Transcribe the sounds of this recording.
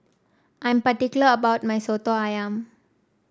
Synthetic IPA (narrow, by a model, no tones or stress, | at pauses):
ʔãj̃mpatikjuləəbawt̚majsotoajãm